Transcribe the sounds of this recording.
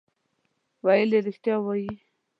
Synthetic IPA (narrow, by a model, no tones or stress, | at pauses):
wajileɾɪxt̪jɑwaji